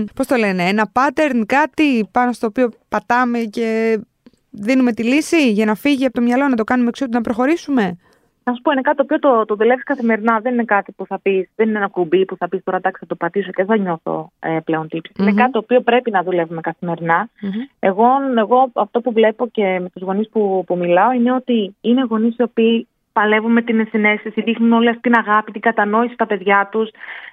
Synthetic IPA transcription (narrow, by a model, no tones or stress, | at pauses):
po̞st̪o̞le̞ne̞enɐpɐt̪e̞ɾnkɐt̪ipɐno̞st̪o̞ːpio̞pɐt̪ɐme̞ce̞ | ðinume̞t̪ilisiʝɐnɐfiʝiɐpot̪omɲɐlo̞nɐt̪o̞kɐnumeksiot̪inɐpɾo̞xo̞ɾisume̞ | nɐsu̥po̞inekɐt̪it̪opio̞t̪ot̪oðule̞viskɐθime̞ɾinɐðe̞nine̞kɐt̪ipuθɐpisðenineenɐkubipuθɐpist̪o̞ɾɐt̪ɐksi̥ɐt̪opɐt̪iso̞ceðeθɐɲo̞θo̞̰eple̞o̞nt̪ipsi̥sinekɐt̪it̪opio̞pɾe̞pinɐðule̞vume̞kɐθime̞ɾinɐe̞ɣo̞eɣo̞ɐft̪opuvle̞po̞ce̞me̞t̪uzɣo̞nispupumilɐo̞ine̞o̞t̪iine̞ɣo̞nisio̞piː | pɐle̞vume̞t̪inesine̞sisiðixnuno̞liɐft̪it̪inɐɣɐpit̪iŋɡɐt̪ɐno̞isi̥st̪ɐpe̞ðʝɐt̪us